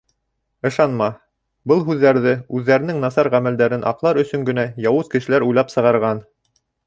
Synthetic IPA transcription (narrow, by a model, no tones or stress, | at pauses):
ɤ̆ʃɑnmɑ | bɤlˠɦʉðːæɾðɘʉðːæɾɘ̆nɘŋnɑsɑɾʁæmæld̪æɾɘnʔɑ̰qlˠɑɾɵ̆sɵ̆ŋɡɘ̆næjɑwɤzkɘ̆ʃɘ̆læɾujlˠɑpsɤ̆ʁɑɾʁɑn